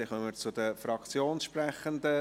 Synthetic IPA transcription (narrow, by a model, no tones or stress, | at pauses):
ɪχœməɾt͡sʊd̪əfɾɑkt͡sjoːnsʃpɾɛχənd̪ə